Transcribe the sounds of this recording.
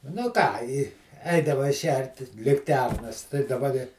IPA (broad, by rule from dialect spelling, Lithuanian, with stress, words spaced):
nʊ ˈkɑː ɪ ˈɛɪdɐʋɐɪ ˈʃʲɛrʲtʲɪs lʲɪkˈtʲɛrnɐs tɐɪ dɐˈbɐ dʲɪ